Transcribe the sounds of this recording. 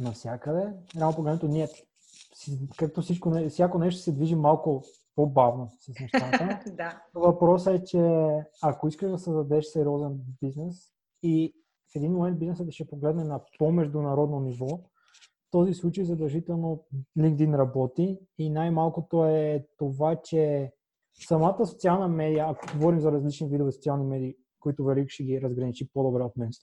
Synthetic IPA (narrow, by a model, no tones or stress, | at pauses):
nɐfsʲjakəd̪ɛɾɛalˠnopoɡlɛd̪mɛt̪oniɛ | sikak̚t̪ofsit͡ʃkonɛfsjakonɛʃt̪o̥sɛd̪viʒimalˠko | pobavnosɐsnɛʃat̪ənovɐpɾɔsɛt͡ʃɛɐkoiskəʒd̪ɐsəzd̪ɐd̪ɛʃsɛɾiɔzɛnbiznɛs | i | fɛd̪inmomɛnt̪̚biznɛsətd̪ɐʃɛpoɡlɛd̪nɛnɐpomɛʒd̪unɐɾɔd̪nonivɔ | ft̪ɔzislˠut͡ʃəjzɐd̪ɛlˠʒit̪ɛlˠnoliŋkd̪inɾɐbɔt̪iːnajmalˠkot̪oɛt̪ovat͡ʃɛ | sɐmat̪əso̥t̪sialˠnəmɛd̪ijəɐkoɡovɔɾimzɐɾɐzlit͡ʃnivid̪ovɛsot̪sialˠnimɛd̪iː | koit̪ovɛlikʃɛɡiɾɐzɡɾɐnit͡ʃipod̪obɾɛot̪mɛnst̪o̥